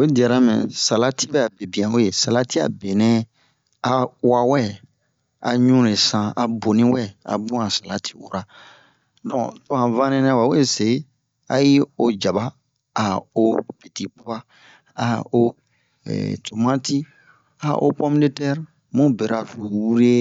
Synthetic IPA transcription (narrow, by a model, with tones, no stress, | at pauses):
o˨e˦di˨a˨ɾa˦mɛ̰̃˨sa˨la˦ti˦bɛ˦a˨be˨bĩ˨ã˨o˦je˨sa˨la˦ti˦a̰˨be˨nɛ̃˦ | a˨wa˦wɛ˦ | a̰˨ɲũ˦ɾe˨sã˨a˨bo˨nĩ˦wɛ˦a̰˨bũ˦ã˨sa˨la˨tʰi̥˦wṵ˨ɾa˨ | dɔ̃˨tɔ̃˦ã˨vã˦nɛ̃˦nɛ̃˦wa˨we˦˨se˨˦ | a̰˨ji˦o˨d͡ʒa˨ba˦ | a˨o˦pe˨ti˨pa˦ba˦ | a˨o˦ | ɛ̰˨to˨mã˦ti˦ | a˨ʔo̰˦pɔ̃˦mi˦ne˦tɛ˦ɾ | mũ˦be˨ɾa˨fu˨wu˦ɾe˦